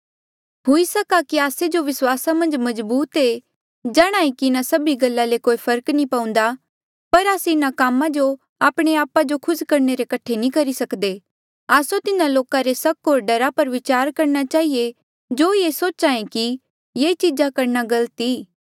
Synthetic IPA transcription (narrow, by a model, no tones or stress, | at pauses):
ɦoisɐkakiaːsed͡ʒoʋɪswaːsamɐ̃nd͡ʒmɐzbuːt̪e | d͡ʒaːɽ̃aːẽkiɪnasɐbiɡɐlːalekoːipʰɐɾknĩpãːũːn̆d̪a | pɐɾaːseɪnakaːmãd͡ʒo | aːpɽ̃eaːpad͡ʒokʰʊskɐɾneɾekɐʈʰenĩkɐɾisɐkd̪e | aːsot̪ɪnãloːkãɾesɐkɦoːɾɖɐɾapɐɾʋɪt͡ʃaːɾkɐɾnat͡ʃaːɦie | d͡ʒoːjesoːt͡ʃãːẽki | jeːt͡ʃid͡ʒakɐɾnaɡɐlt̪i